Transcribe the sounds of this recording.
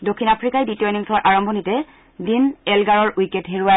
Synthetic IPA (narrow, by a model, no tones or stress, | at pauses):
dokʰːinapʰɹikajditɔjniŋtʰɔwaɹʔaɹɔmbʱɔnitɛ | dinɛlɡaɹɔɹijketɦeɹua